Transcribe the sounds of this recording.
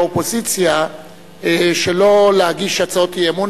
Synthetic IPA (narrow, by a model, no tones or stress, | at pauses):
opo̞zit͡sja | ʃelo̞leaɡiʃat͡saot̪ieemun